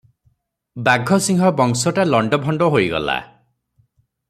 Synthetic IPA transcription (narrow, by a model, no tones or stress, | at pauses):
baɡʱɔsiŋɦɔbɔŋsɔʈalɔɳɖɔbʱɔɳɖɔɦojɡɔ̰la̰